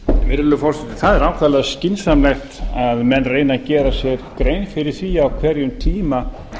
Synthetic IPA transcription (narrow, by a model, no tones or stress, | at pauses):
ɛnvɪɾvɪlʏmfɔr̥sɛt̪ɪ̥θaðɛɾaːwkʰvɛðalɛðscɪnsamlɛjxt̪aðmɛnrejnacɛːɾasjɛɾkɾeːjnfɪɾɪɾ̥θviːjaːwkʰvɛɾjʏmt̪ʰiːma